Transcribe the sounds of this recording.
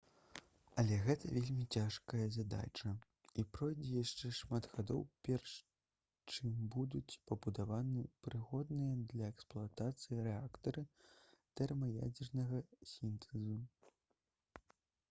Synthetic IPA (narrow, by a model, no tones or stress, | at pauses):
ɐlʲɛɣɛt̪ʰɐvʲelʲmʲit͡sʲaʂkɐjɐzad̪a̰t͡ʂɐ | ipɾɔjd͡zʲɛjaʂt͡ʂɛʂmad̪ɣad̪ɔ̰wpʲɛrʂ | t͡ʂɨmbud̪ut͡sʲpɐbud̪avanɨpɾɨɣɔd̪nɨjɐd̪lʲɐɛksplˠuat̪at̪sɨjiɾɛakt̪ɐɾɨt̪ɛrmɐja̰d͡zʲɛrnɐɣɐsʲint̪ʰɛzu